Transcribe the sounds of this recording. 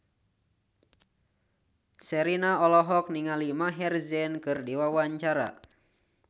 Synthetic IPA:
sɛɾinaɔlɔɦɔk̚niŋalimaɦɛrzɛnkɨrdiwawaɲt͡ʃaɾa̰

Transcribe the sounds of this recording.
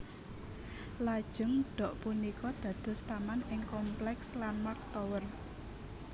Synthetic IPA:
lad̥ʒ̥ʊ̤ŋɖ̥ɔ̤ʔpunikɔd̪̥ä̤d̪̥ɔ̤st̪amanɪŋkɔmplɛkslanmak̚t̪ɔwər

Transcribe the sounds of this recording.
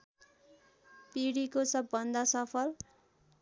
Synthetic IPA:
piɽikosʌbːʌnd̪ʱʌsʌpʰʌl

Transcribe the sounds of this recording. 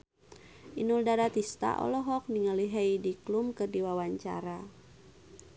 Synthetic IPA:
ʔinuldaɾat̪ist̪a̰ʔɔ̰lɔɦɔk̚niŋəliɦejdiklumkɨrdiwawaɲt͡ʃa̰ɾa

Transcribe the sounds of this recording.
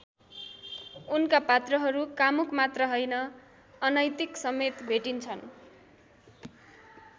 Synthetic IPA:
unkapat̪rʌɦʌɾukamukmat̪rʌɦʌjnʌː | nʌjt̪iksʌmet̪bʱeʈint͡sʰʌn

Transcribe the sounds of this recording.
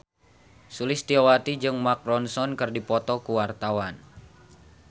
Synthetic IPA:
sulɪst̪iawat̪id͡ʒɨŋmak̚ɾɔnsɔnkɨrdipɔt̪ɔkuwart̪awan

